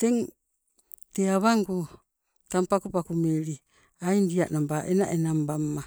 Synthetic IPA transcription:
teŋ | teaβaŋɡu | tampakupakumeɾi | ajndiaʔnambaʔena̰ʔenambamːa

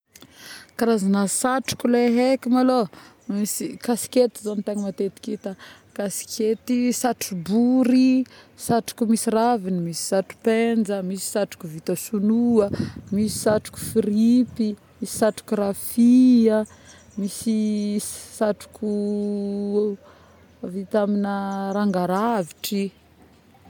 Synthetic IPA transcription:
kaɾazanəsaʈ͡ʂu̥kuleɦekimalo | misikasi̥kʲet̪izanit̪aŋimat̪et̪i̥kit̪ə | kasi̥kʰet̪isaʈ͡ʂubuɾisaʈ͡ʂu̥kumisiravinimisi̥saʈ͡ʂu̥pend͡ʒəmisi̥saʈ͡ʂu̥kuvit̪əsunuəmisi̥saʈ͡ʂu̥ku̥fiɾipi | misi̥saʈ͡ʂu̥kurafiə | misi | saʈ͡ʂu̥ku | vit̪aminəɾaŋɡaɾaviʈ͡ʂi

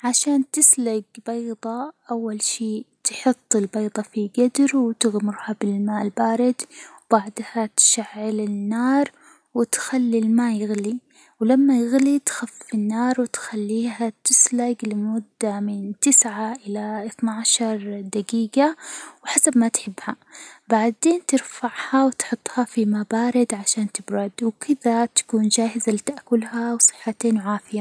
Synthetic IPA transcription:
ʕaʃaːnt̪ɪslaɡbɑːd̪ˤɑʔawːalʃiːt̪ħʊt̪ˤːɪlbɑːd̪ˤɑfiɡad̪ɾwɪt̪ɪɣmʊɾhabɪlmaːlbaːɾɪd̪wb̥aʕd̪hat̪ʃaʕːɪlɪnːɑːɾˤ | wɪt̪xalːilmaːjɪɣli | wlamːajɪɣlit̪xafɪnːɑːɾˤwɪt̪xalːiːɦat̪ɪslaɡlɪmʊd̪ːamɪnt̪ɪsʕaʔɪlaʔɪθnaʕaʃɑɾˤd̪aɡiːɡawħasabmat̪ħɪbːha | baʕd̪eːnt̪ɪɾfaʕhawɪt̪ħʊt̪ˤːhafimabaːɾɪd̪ʕaʃaːnt̪ɪbɾˤɑd̪wɪkʰɪðat̪ḁkuːnd͡ʒaːhɪzalɪt̪aʔkʊlhawsˤɨ̥ħːat̪eːnwʕaːfɪja

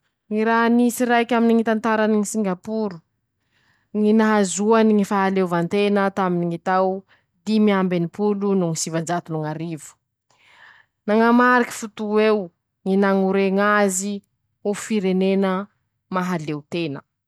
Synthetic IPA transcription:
ŋiɾaɦnisiɾajkʲaminiŋit̪ant̪aɾaniŋisiŋɡapuɾu̥ | ŋinaɦazuaniŋifaɦalewvant̪enət̪aminiŋit̪aw | d̪imiambenipulunuŋisivand͡ʒat̪unuŋaɾivu̥ | naŋamaɾikʲi̥fut̪uew | ŋinaŋuɾeŋazi | ofiɾenenə | maɦalewt̪enə

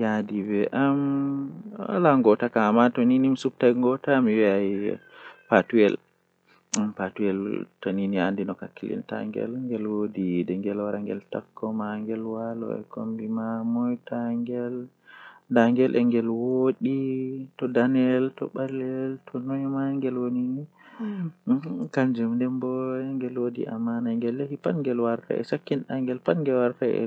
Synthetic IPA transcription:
jadibɛʔam | wa̰laŋɡɔtakamatɔninimsup̚tajŋɡɔtamiwiaj | patuɛl | ampatujɛltɔniniandinɔkakːilḭnta̰ŋɡɛ̰lŋɡɛlwodidɛŋɡɛlwaɾaŋɡɛ̰ltakʰːɔmaŋɡɛlwalɔ̰ɛ̰ko̰mbimamɔjtʰaŋɡɛl | daŋɡɛlʔɛŋɡɛlwoɗitɔdanɛltɔɓalɛltʰɔnɔɲɔmaŋɡɛlwonini | kaɲd͡ʒumndɛmbɔɛŋɡɛlwodḭʔamːanajŋɡɛlːehipanŋɡɛlwaɾtʰa̰ʔɛ̰sakːinɗaŋɡɛlpanŋɡɛlwaɾtaɛ̰

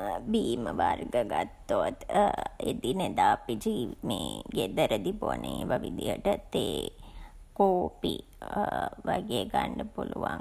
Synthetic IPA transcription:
biːməʋarɡəɡat̪ːot̪ed̪ined̪aːpid͡ʒimeːɡed̪əɾəd̪iponəʋaʋid̪ijəʈət̪eː | koːpi | ʋaɡeːɡaɳɖəpuluʋaŋ

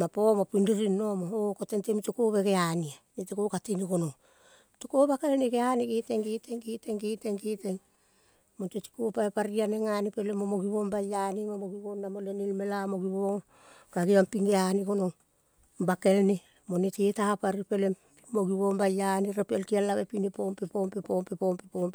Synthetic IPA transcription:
mapomopindiɾinːo̞mookotentemitokoβeɡeanianetekokatiniɡo̞noŋ | tokobakelneɡeaniɡeteŋɡeteŋɡeteŋɡeteŋɡeteŋ | monteti̥kopaepaɾianeŋanipe̞lemomoɡiβo̞mbajanimomoɡiβonnamolenilme̞lamo̞ɡiβoŋ | kaɡiampiŋɡeaniɡo̞no̞ŋ | bake̞lne | mo̞netetapaɾipe̞lem | pimoɡiβombajaniɾepeltialːaβepinepompepompepompepompepomp

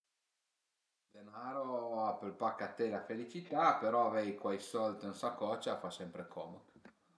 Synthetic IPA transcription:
d̪̥enaːɾoapelpakːat̪ːelafelit͡ʃit̪apeɾɔavɛjkwajsɔlt̪ensakɔt͡ʃafasɛmpɾekʰɔːme

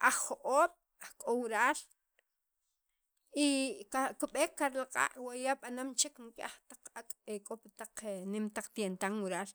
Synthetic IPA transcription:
ʔaχχoʔoːɓ̥ | aχkʼowiɾaːl | ikakuɓeːkːaɾlaqʼa̰ːʔwajaɓanamt͡ʃeknkʼa̰χt̪aq͡χakʼekʼopat̪aq͡χnimt̪aq͡χt̪jent̪aŋwiɾaːl

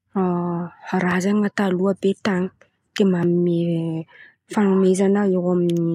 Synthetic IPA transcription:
a | ɾazaŋat̪aluabet̪aŋi̥ | d̪̥emamini | fanumezanəeɦamini

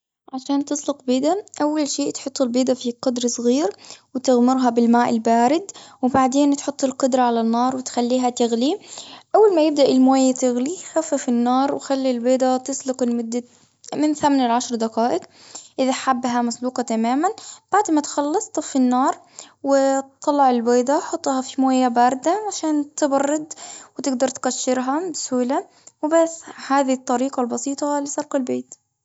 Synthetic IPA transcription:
ʕaʃaːnt̪ɨsˤlɪqbiːd̪aʔawːalʃeːʔt̪ħʊt̪ˤːɪlbiːd̪afiqʊd̪ɾˤsˤɣiːɾwɪt̪ɪɣmɪɾˤɦabɪlmaːʔɪlbaːɾɪd̪wbaʕd̪eːnt̪ħʊt̪ˤːɪlqʊd̪ɾˤɑʕalanːɑːɾˤwɪt̪xalːiːɦat̪ɪɣliʔawːalmajɪb̚d̪aʔɪlmoːjt̪ɪɣlixafːafinːɑːɾˤwxalːilbeːd̪at̪ɪsˤlɪqɪlmʊd̪ːa | mɪnθamanɪlʕaʃɾˤd̪aqaːʔɪq | ʔɪðaħabːɦamasˤluːqɑt̪amaːmanb̥aʕd̪mat̪xɑlːɑsˤt̪ˤfinːɑːɾˤ | wɪt̪ˤːɑlːɑʕɪlbeːd̪aħɑt̪ˤːhɑfimaːjabɑɾˤd̪aʕaʃaːnt̪ɪbɑrˤːɪd̪wɪt̪ɪɡd̪ɑɾˤt̪kaʃːɪɾɦɑbɪsuːla | wɪbasːhaːðit̪ˤːɑɾiːqɑlbɑsiːt̪ˤɑlɪsˤɑlqɑlbeːt̪

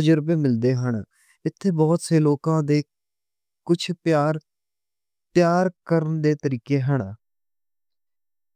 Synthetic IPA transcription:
əd͡ʒəɾbeːmɪld̪eːɦəɳ | ɪt̪ʰːeːbɔːt̪seːloːkãːd̪eː | kʊt͡ʃʰpjaːɾ | p̪ɪjaːɾkəɾənd̪eːt̪əɾiːkeːɦəɳ

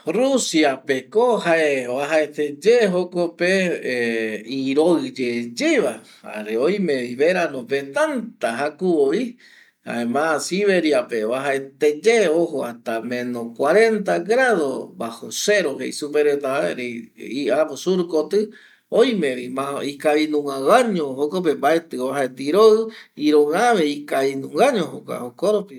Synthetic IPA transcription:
rusiapekohaʔeβaɦaet̪ed͡ʒeɦokope | iɾoɨd͡ʒed͡ʒeβa | a̰ɾeoj̃mẽβiβeɾanõpet̪ant̪aɦakuoi | ha̰emãsiβeɾiapeβaɦaet̪ed͡ʒeoɦoat̪amẽnõkwaɾent̪aɡɾaðo̰bahoseɾoɦḛisupeɾet̪aaɾeiʔaposuɾukot̪ɨ | ojmẽβimãikaβinũŋãwaɲõɦokop̬embaet̪ɨβaɦaet̪iɾoɨiɾõaβeikaβinũŋɡaɲõɦoka̰okoɾopi

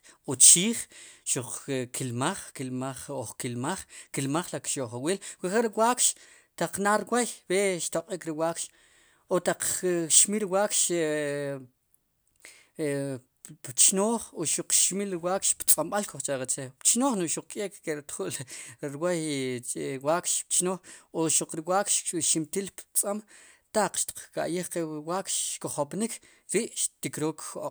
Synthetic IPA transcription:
ot͡ʃiːχʃuq͡χkʰilmaχkilmaχoχkilmaχkilmaχlakʃoχawiːlkeχeʔɾiwaːkʃ | t̪aq͡χnaːɾwajweʃt̪oqʼiːkɾiwaːkʃ | ot̪aq͡χʃmiɾiwaːkʃ | pt͡ʃnoːχoʃuq͡χʃmilwaːkʃpt͡sʼamɓalkoχt͡ʃaɾat͡sept͡ʃnoːχnuʔʃuq͡χ̚kʼeːkkeɾit̪χuʔlɾwaj | waːkʃpt͡ʃnoːχoʃuq͡χɾiwaːkʃʃimt̪iːlpt͡sʼamt̪aq͡χʃt̪i̥q͡χka̰ʔjiχqewaːkʃʃkoχopnikʰ | ɾiʔʃt̪ikɾoːkʰːoqʼ

